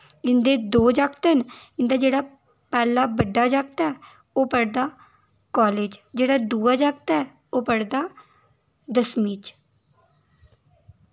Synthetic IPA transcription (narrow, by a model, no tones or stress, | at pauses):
ɪnd̪eːd̪oːd͡ʒakt̪ənɪnd̪aːd͡ʒeːɽaː | pɛːlaːbəɖːaːd͡ʒaɡ̚t̪ɛː | oːpəɽd̪aː | kɔːleːd͡ʒd͡ʒeːɽaːd̪uːaːd͡ʒaɡt̪ɛː | oːpəɽd̪aː | d̪əsmiːt͡ʃ